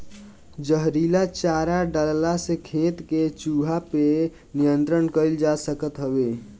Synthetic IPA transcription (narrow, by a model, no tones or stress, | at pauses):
d͡ʒəɦɾilat͡ʃaɾaɖəllasekʰet̪ket͡ʃuɦape | nijənt̪ɾənkəɪld͡ʒasəkət̪ɦəbe